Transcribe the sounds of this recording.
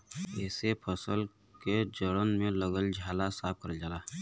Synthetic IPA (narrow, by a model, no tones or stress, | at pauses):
ɛːsepʰəsəl | ked͡ʒəɽənmẽləɡəld͡ʒʱaːlasaːb̚kəɾd͡ʒalaː